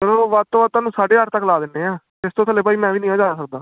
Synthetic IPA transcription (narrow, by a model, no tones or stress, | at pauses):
kəloːʋat̪ːoːʋət̪ːaːnũːsaːɖeːəɾt̪əkːlaːd̪ɪnːeːãː | t̪ɪst̪õːt̪ʰəleːpaːiːmɛ̃ːʋiːnĩːaːd͡ʒaːnaːsək̚d̪aː